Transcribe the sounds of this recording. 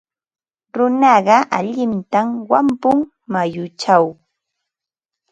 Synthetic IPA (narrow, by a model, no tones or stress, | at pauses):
ɾʊnɑɢɑʔaʎɪnt̪amwampʊŋ | majʊt͡ʃaw